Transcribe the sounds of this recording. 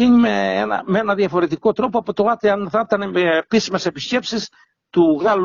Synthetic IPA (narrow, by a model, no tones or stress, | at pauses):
iɲimeḛnɐ̰mee̞nɐðjɐfo̞ɾe̞t̪iko̞t̪ɾo̞poɐpo̞t̪o̞ɣɐt̪eɐnθɐt̪ɐnepisime̞se̞pisce̞psis | t̪uɣɐl